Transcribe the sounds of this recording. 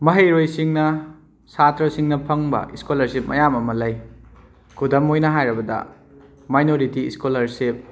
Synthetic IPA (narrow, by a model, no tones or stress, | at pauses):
mɐɦejɾojsiŋnɐ | satʰɾɐsiŋnɐpʰɐŋbɐ̰ʔiskolɐɾsip̚mɐ̰jamɐmɐlɐj | kʰudɐmojnɐɦajɾɐbɐdɐ̰ | majnoɾitiḭskolɐɾsip̚